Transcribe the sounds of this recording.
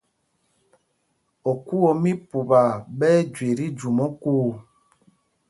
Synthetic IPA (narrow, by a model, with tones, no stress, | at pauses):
ɔ˨ku˦ɔ˨mi˦pu˨ba˨ɓɛ˦d͡ʒwe˨ɾi˦d͡ʒu˨mɔ˦kuː˦˨